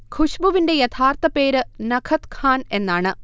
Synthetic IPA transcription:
kʰuɕbuʋinde̞jɐt̪ʰaːrt̪ɐpe̞ːɾɨnɐkʰɐt̪kʰaːne̞nːaːɳɨ

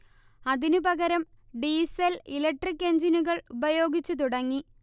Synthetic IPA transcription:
ɐðinupɐɣɐɾɐm | ɖiːsɐlilɐk̚ʈrikːe̞ɲd͡ʑinuɣɐɭubɐjo̞ːɡit͡ɕːut̪̬uɽɐŋːi

